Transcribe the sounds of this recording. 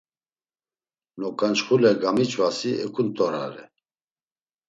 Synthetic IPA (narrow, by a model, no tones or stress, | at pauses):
nɔkʼant͡ʃχulɛɡamit͡ʃʰʼvasiɛkʰʼunt̪ʼɔɾa̰ɾɛ